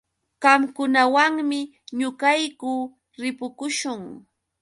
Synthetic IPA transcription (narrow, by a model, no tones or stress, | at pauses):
ɢɑmkʊnawaŋmɪ | ɲʊkajkʊ | ɾɪpʊkʊʃʊŋ